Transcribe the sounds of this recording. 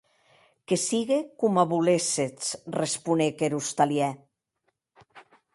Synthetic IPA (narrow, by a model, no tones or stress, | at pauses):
kesiɣekumaβuleset͡srespunekeɾust̪aljɛ